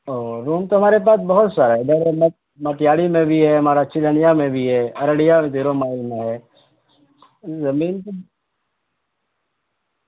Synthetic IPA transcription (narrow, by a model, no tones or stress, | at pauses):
oːɾuːmt̪oɦɐmaːɾep̬aːsbɐɦʊt̪saːɾaɦɛd̪ɐɾmɐt | mɐt̪jaːɽimẽbʱiɦɛɦɐmaːɾaɐtːʃʰid̪ʱɐnijamẽbʱiɦɛːɐɾəɽijamẽd̪eːɾomaːimẽɦɛː | zɐmiːnt̪o